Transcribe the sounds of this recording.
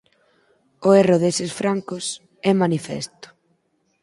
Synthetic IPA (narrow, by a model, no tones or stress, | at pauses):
ʊerʊðesɪsfɾaŋkos | ɛmanifɛ̰st̪ʊ̥